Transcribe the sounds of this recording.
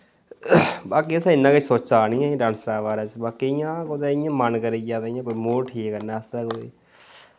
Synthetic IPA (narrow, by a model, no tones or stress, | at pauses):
baːk̬iːəsãːɪnːãːkəsoːt͡ʃaːnĩːãːĩɖãːnsɾaːʋaːɾãːt͡ʃbaːkiːɪjãːkod̪ɛːɪjãːmənkəɾiːd͡ʒaːt̪aɪjãːkoːiːmoːɾʈʰiːkəɾnaːəst̪ɾɛːkoːḭː